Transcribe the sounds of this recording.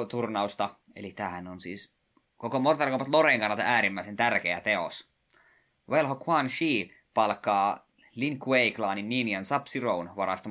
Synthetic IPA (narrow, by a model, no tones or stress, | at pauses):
t̪urnɑust̪ɑ | elit̪æːhænonsḭːs | kokomort̪ɑrkɑpɑt̪loreŋkɑnːɑt̪ɑæːɾimːæisent̪ærkeæt̪eo̰s | ʋelɦokʰwɑnʃiː | pɑlkːˑɑː | liŋkueiklɑːninːiːniɑnsɑpsirounʋɑɾɑst̪ɑ